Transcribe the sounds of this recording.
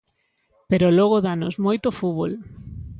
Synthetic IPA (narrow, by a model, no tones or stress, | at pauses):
peɾoloɣ̞oðanozmojt̪ofuβol